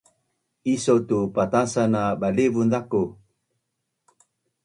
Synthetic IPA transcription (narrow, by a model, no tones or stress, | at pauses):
isotupatasanabalevunzako